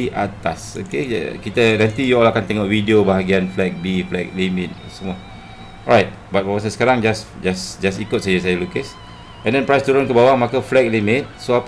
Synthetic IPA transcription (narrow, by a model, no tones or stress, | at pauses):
iʔat̪aso̰kḛkit̪əɾɛ̃nt̪ijuɔlakant̪ɛŋɔʔvidiobaɦaɡianflɛk̚biflɛk̚limit̪̚ | səma | ɔɹajt̚bat̚bamas̬ãsə̥kaɾãŋd͡ʒasd͡ʒasd͡ʒasikʊt̚sajəsajəlukəs | ɛ̃ndɛnpɹajst̪uɾõnkəbawaŋmakəflɛk̚limit̪̚soap